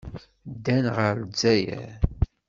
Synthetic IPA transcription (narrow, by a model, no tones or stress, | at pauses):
d̪ːænʁəɾd͡zæjæ̰